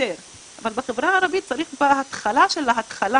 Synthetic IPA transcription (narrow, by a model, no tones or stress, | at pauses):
eɾ | avalbeχevɾaaɾabit̪̚t͡saɾiχbehat̪χalaʃelaat̪χala